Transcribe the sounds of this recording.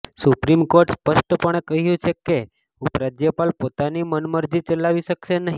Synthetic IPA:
supɾimkoɾʈspəʃʈəpəɳ̃ekəɦjũt͡ʃʰeke | upɾad͡ʒjəpalpot̪animənməɾd͡ʒit͡ʃəlaʋiʃəkʃenəɦĩ

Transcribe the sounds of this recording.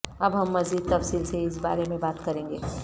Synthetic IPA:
ɐbɦɐmːɐziːd̪̚t̪ɐfsiːlseɪs̬ba̰ːɾemẽbaːt̪kɐɾẽːŋɡeː

